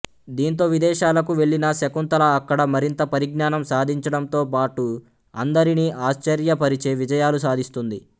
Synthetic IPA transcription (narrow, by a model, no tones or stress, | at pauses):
d̪iːnt̪̬o̞ːʋid̪ɛːʃaːlɐkuʋe̞ɭːinɐsɐkunt̪ɐlɐːkːɐɽɐmɐɾint̪ɐpɐɾiɡnaːnɐmsaːd̪ʱiɲt͡ʃɐɽɐmt̪o̞ːpaːʈu | ɐnd̪ɐɾiniːʔaːʃt͡ʃɐɾjɐpɐɾit͡ʃe̞ːʋid͡ʒɐjaːlusaːd̪ʱist̪und̪i